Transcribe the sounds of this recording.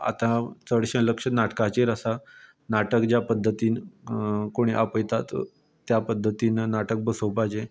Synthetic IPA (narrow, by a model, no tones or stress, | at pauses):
a̰t̪ãt͡səɽɕə̃ləkʂənaʈkat͡ɕeɾəsa | naʈəkd͡ʑjapəd̪ʱːət̪iːn | koɽ̃iʔapəjt̪at̪ | t̪ːjapəd̪ʱːət̪iːnnaʈək̚bəsəwpajd͡ʑe